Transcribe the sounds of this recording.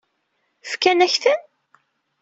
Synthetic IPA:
fkænæçθən

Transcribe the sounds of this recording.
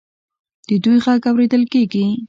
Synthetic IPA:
d̪̥əd̪ujxakawɾed̪əlkeɡi

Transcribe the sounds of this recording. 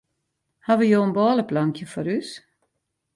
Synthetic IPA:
haʋəjoːənbɔːləplaŋkʰjəfɔɾys

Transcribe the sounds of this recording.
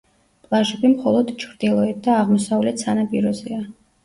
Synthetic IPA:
pʼlˠaʃɛbimχɔlˠɔd̪t͡ʃʰɾd̪ilˠɔɛt̪̚d̪aːʁmɔsavlɛt̪sanapʼiɾɔzɛa

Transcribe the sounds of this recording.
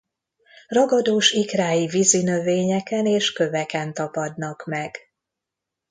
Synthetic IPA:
rɒɡɒd̪oːʃikraːjivizinøveːɲɛkɛneːʃkø̞vɛkɛnt̪ɒpɒd̪nɒkmɛɡ̥

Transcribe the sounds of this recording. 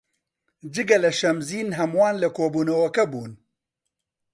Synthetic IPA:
d͡ʒɨɡɐlɐʃɐmziːnɦɐmwɑːnlɐkoːbuːnɐwɐkɐbuːn

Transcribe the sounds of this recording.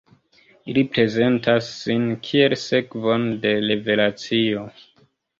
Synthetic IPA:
ilipɾe̞ze̞ntasːinkʰie̞lse̞kvo̞nde̞ɾe̞ve̞lat͡sio̞

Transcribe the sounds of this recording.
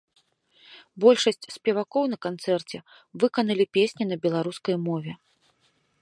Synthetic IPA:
bɔlʲʂɐsʲt͡sʲsʲpʲɛvakɔwnɐkant̪sɛrt͡sʲɛ | vɨkɐnɐlʲipʲesʲnʲinɐbʲɛlˠaɾuskɐjmɔvʲɛ

